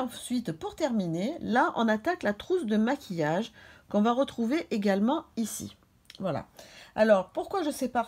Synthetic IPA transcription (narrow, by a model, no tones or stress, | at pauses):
ɑ̃sɥit̪puʁt̪ɛʁminelaʔɔ̰̃nat̪aklat̪χusd̪əmakʲʰijaʒkɔ̃vaʁət̪χuveʔeɡalmɑ̃isḭ | vwala̰a̰lɔʁpuʁkwaʒəsepa